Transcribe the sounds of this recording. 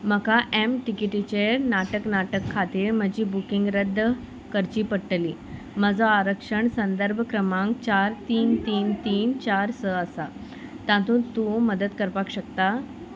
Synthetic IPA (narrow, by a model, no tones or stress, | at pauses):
m̤əkaʔemʈikiʈit͡ɕeɾnaʈəknaʈəkʰːat̪iːɾm̤əd͡ʑiːbukiŋɡɾəd̪ʱːə | kəɾt͡ɕiːpəɽʈəliː | məd͡zɔaɾəkʂəɳsənd̪əɾbʱkɾəmãŋkt͡ɕaɾt̪iːnt̪iːnt̪iːnt͡ɕaɾsəəsa | t̪ãt̪ũːt̪ũməd̪ət̪kəɾpakɕəkt̪a